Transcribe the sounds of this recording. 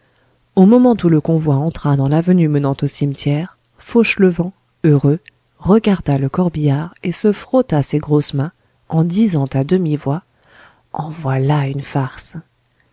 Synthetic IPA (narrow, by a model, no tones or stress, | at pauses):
omɔmɑ̃t̪uləkɔ̃vwaɑ̃t̪χad̪ɑ̃lavənymənɑ̃t̪osimt̪ʰjɛːʁ | fɔʃləvɑ̃ | øʁø | ʁəɡaʁd̪aləkɔʁbijaʁesəfχɔt̪aseɡʁosmɛ̃ | ɑ̃d̪izɑ̃t̪ad̪əmivwa | ɑ̃vwalaynfaʁs